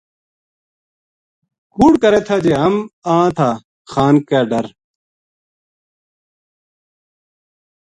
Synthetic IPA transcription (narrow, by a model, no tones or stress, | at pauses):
kuːɽkɐɾeːt̪ʰaːd͡ʑeːɦɐmãːt̪ʰaː | xaːnkaːɖɐɾ